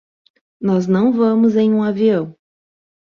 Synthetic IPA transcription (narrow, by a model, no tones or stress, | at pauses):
nɔznɐ̃w̃vɐ̃mʊzẽj̃ũaviɐ̃w̃